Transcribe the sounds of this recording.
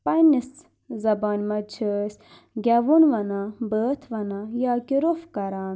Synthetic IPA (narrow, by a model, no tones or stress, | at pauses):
pɐnis | zɐbaːnmɐt͡ʃʰəs | ɡʲɐʋunʋɐnabəːt̪ʰʋɐnajaːkiɾufkɐɾaːn